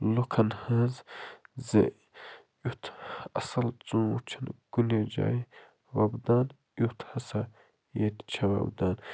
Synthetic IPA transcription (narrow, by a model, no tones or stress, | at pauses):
lukʰɐnhɐzzḛ | ut̪ʰɐsɐlt͡sũːt͡ʃʰɐnɡ̥uned͡ʒa̰ːj | wɐbd̪aːn | jut̪ʰhɐsɐ | jet̪t͡ʃʰɐwɐ̰bd̪aːn